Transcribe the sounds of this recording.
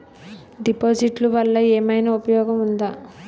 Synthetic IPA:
ɖipoːd͡ʒiʈluʋɐlːɐeːmɐjnɐupɐjɔːɡɐmund̪aː

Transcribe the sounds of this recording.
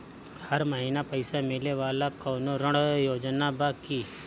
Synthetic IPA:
hɐɾmɐɦiːnapɐɪsamɪleʋaːlakɔːnoɾə̃ɽjoːd͡ʒnabakiː

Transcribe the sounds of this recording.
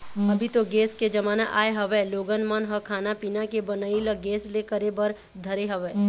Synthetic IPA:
ɐbʱit̪oɡeːsked͡ʒɐmaːnaʔa̰ːeɦɐʋɛloːɡənmənɦɐkʰaːnapiːnakebənailəɡeːslekəɾebɐɾ | d̪ʱɐɾeɦɐʋɛː

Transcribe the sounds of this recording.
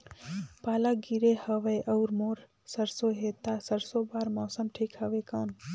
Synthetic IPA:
paːlaɡiɾehəʋəjʔəʊɾmoːɾ | səɾsoɦet̪asəɾsobaːɾmɔːsəmʈʰikhəʋekaːn

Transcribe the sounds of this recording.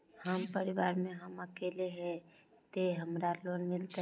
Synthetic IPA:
həmpəɾiʋaːɾmẽɦəməkeleɦɛ̃ | t̪eɦəmɾaloːnmɪlt̪

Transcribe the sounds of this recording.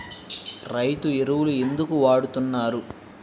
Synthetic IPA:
ɾɐjt̪ueɾuwulue̞nd̪ukuʋaːɽut̪unːaːɾu

